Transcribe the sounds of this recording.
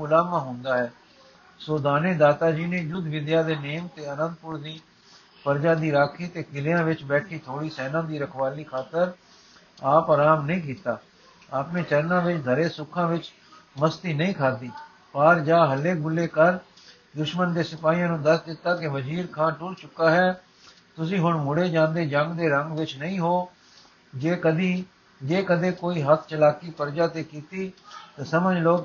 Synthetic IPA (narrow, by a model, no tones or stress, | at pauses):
ʊlaːmãːɦʊ̃nd̪aːɦɛː | soːd̪aːneːd̪aːt̪aːd͡ʒiːnẽːd͡ʒʊd̪ʱʋɪd̪jaːd̪eːneːmt̪eːənə̃nd̪̚pʊɾd̪iː | pəɾd͡ʒaːd̪iːɾaːkʰiːt̪eːkɪljãːʋɪt͡ʃbɛːʈʰiːt̪ʰoːɽiːsɛːnãːd̪iːɾəkʰʋaːliːkʰaːt̪əɾ | aːpaːɾaːmnəĩːk̬iːt̪aː | aːpnẽːt͡ʃəɾnãːʋɪt͡ʃd̪ʱəɾeːsʊkʰːãːʋɪt͡ʃ | məst̪iːnəĩːkʰaːd̪iː | pəːɾd͡ʒaːɦəlːeːɡʊlːeːkəɾ | d̪ʊʃmənd̪eːsɪpaːiːãːnũːd̪əsd̪ɪt̪ːaːkɪʋəd͡ʒiːɾkʰãːʈʊɽt͡ʃʊkːaːɦɛː | t̪ʊsĩːɦʊɳmʊɽeːd͡ʒãːnd̪eːd͡ʒə̃ŋɡd̪eːɾəŋɡʋɪt͡ʃnəĩːɦoː | d͡ʒeːkəd̪iː | d͡ʒeːkəd̪eːkoːiːɦət̪ʰt͡ʃəlaːkiːpəɾd͡ʒaːt̪eːkiːt̪iːt̪ãːsəməd͡ʒloːk